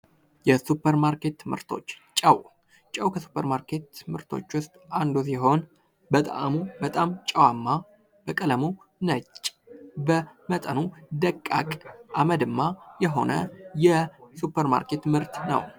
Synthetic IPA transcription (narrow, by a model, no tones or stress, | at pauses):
jɛsupʰːəɾmaɾke̞t̪ʰːɨmɨ̰ɾt̪ʰo̞̰t͡ʃːt͡ʃʼəw | t͡ʃʼəwkʰəsu̥pʰːəɾmaɾkʰe̞t̪ːɨmɨɾt̪ʰo̞̰t͡ʃːwʊst̪ʼand̪us̬iɦo̞n | bət̪ʼa̰mubət̪ʼamt͡ʃʼəwamːa | b̥əkʼələmu | nət͡ʃʼː | bəmət̪ʼənud̪əkʼːakʼʔaməd̪ɨmːajɛɦo̞̰nəjɛsupʰːəɾma̰ɾkʰe̞t̪ːmɨɾt̪nə̰w